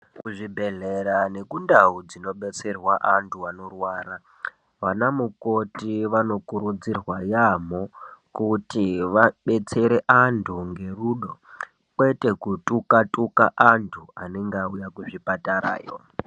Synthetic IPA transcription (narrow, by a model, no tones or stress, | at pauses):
kuʐibʱe̞ɮe̞ɾane̞kundaud͡zino̞ɓe̞t͡se̞rwaʔantʰuano̞rwaːɾa | ʋanamuko̞tiʋano̞kuɾud͡zirwajam̤o̞kutiʋaɓe̞t͡se̞ɾe̞ʔantʰuŋɡe̞ruɗo̞ | kwe̞te̞kutukatʼuka̰ʔantʰuaneŋɡaujakuʐipataɾa̰ːjo̰